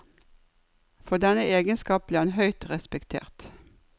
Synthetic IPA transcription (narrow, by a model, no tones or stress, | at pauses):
fɔd̪ɛnəʔeːɡənskɑːp̚b̥liːʁɑnɦœʏt̪ʁɛspɛkt̪ʰḛːʁt̪